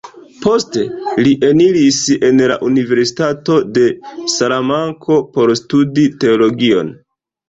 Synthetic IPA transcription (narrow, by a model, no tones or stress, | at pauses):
po̞ste̞liʔe̞niɾise̞nla̰ʔunive̞ɾsi̥tato̞de̞salamaŋkʰo̞po̞ɾstudite̞olo̞ɡio̞̰n